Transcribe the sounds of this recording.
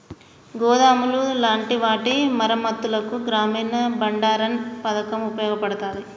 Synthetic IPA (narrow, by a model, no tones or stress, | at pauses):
ɡɔːd̪aːmululaːɳʈiʋaːʈimɐɾɐmɐt̪ːulɐkuɡɾaːmiːnɐbɐɳɖaːɾɐnpɐd̪ɐkɐmupɐjɔːɡɐpɐɽɐt̪aːɾi